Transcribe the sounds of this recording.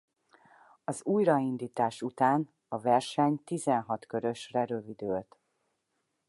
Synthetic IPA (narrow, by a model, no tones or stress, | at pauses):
ɒzuːjrɒind̪iːt̪aːʃut̪aːn | ɒvɛrʃɛɲt̪izɛnɦɒt̪køɾø̞ʃrɛɾøvid̪øːlt̪